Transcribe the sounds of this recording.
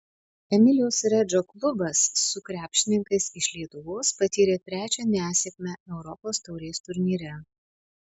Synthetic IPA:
ɛmʲɪlʲɪjoːsɾʲɛd͡ʒoːklˠʊbɐsːʊkɾʲæːpʲʃʲtʲɪnʲɪŋkɐɪsɪʃʲlʲiɛt̪ʊʋoːspɐt̪ʲiːɾʲeːt̪ʲɾʲæːt͡ʃʲɛnʲæːsʲɛkʲmʲɛæɛʊɾɔpoːst̪ɔʊɾʲeːst̪ʊɾʲnʲiːɾʲɛ

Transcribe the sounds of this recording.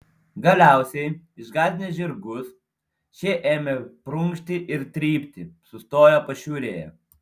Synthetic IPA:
ɡɐlʲæˑʊsʲɛɪɪʒɡɑːd̪ʲɪnʲeːʒʲɪɾɡʊs | t͡ʃʲɛʔeːmʲɛpɾʊŋʲkʃʲt̪ʲɪʔɪɾt̪ʲɾʲiːpʲt̪ʲɪsʊst̪oːjopɐʃʲuːɾʲeːjɛ̰

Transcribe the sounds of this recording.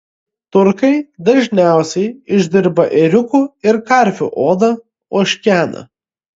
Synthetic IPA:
t̪ʊɾkɐɪd̪ɐʒʲnʲæˑʊsʲɛɪɪʒʲd̪ʲɪɾbɐʔɛɾʲʊkuːɪɾkɐˑɾʲfʲʊ̰ʔoːd̪ɐ | oːʃʲkʲæːnɐ̰

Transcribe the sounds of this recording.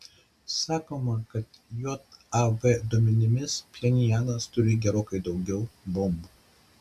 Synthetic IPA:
sɑːkoːmɐkɐt̪joːt̪ɐbed̪uɔmʲɛnʲɪmʲɪspʲlʲɛnʲɪjæːnɐst̪ʊɾʲɪɡʲɛɾoːkɐɪd̪ɒʊɡʲɛʊbɔmbuː

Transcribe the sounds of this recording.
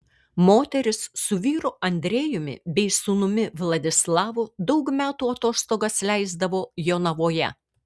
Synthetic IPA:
moːt̪ʲɛɾʲɪsːʊʋʲiːɾʊɐnʲd̪ʲɾʲeːjʊmʲɪ̰bʲɛɪsʊnʊmʲɪʋlˠɐd̪ʲɪslˠɑːʋʊd̪ɐʊkmʲæːt̪uːɐt̪oːst̪oːɡɐslʲæɪzd̪ɐʋoːjoːnɐʋoːjɛ̰

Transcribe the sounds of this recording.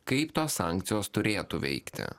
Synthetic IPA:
kɐɪpt̪oːssɑˑŋʲkt̪sʲɪjoːst̪ʊɾʲeːt̪uʋʲɛ̰ɪkt̪ʲɪ̰

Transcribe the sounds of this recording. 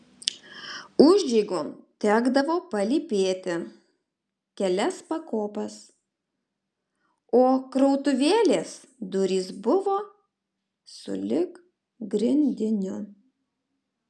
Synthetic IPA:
ʊʒʲd͡ʒʲɛɪɡot̪ʲæːɡd̪ɐʋoːpɐlʲipʲeːt̪ʲɪ | kʲɛlʲɛspɐkoːpɐs | oːkɾɔʊt̪ʊʋʲeːlʲeːs | d̪ʊɾʲiːsbʊʋoː | sʊ̰lʲɪk | ɡɾʲɪnʲd̪ʲɪnʲʊ

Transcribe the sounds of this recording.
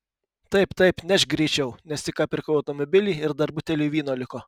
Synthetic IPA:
t̪ɐɪpt̪ɐɪpnʲɛʃɡɾʲɛɪt͡ʃʲɛʊnʲɛst̪ʲɪkɑːpʲɪɾkɐʊɐʊt̪omɔbʲɪlʲiːɪɾd̪ɐɾbʊt̪ʲɛlʲiːʋʲiːnoːlʲɪkoː

